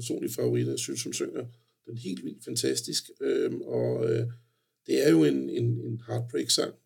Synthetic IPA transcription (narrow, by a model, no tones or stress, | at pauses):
so̝̰ːnlifɑo̝ʁid̥ɐæsynsɒmsøŋ̰ɐ | d̥enɦe̝̰ːldʋḭːld̥fænt͡sʰæsd̥isɡ̥øɒ̽ø | d̥e̝æɐjo̝e̝ne̝ne̝nhɑ̈ːd̥̚b̥ʁeɡ̥sɑ̈ŋ̰